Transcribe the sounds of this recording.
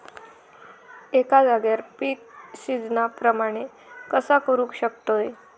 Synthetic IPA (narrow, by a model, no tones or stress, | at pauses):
ekad͡zaɡjaɾpiːk̚sid͡znapɾəmaɽ̃e | kəsakəɾũkɕəkt̪oj